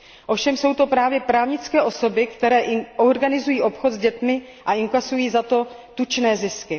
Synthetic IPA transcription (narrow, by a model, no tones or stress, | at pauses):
ʔo̞fʃɛmso̞wt̪o̞pɾaːvjɛpɾaːvɲɪt͡skɛːʔo̞so̞bɪkt̪ɛɾɛːʔorɡanɪzujiːʔo̞pxo̞t̪zɟɛt̪mɪ | ʔaʔɪŋkasujiːzat̪o̞ | t̪ut͡ʃnɛːzɪskɪ